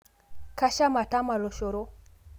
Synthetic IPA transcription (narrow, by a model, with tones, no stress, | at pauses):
ka˦ʃa˦ma˨ta˦ma˨lo˨ʃo˨ɾo˦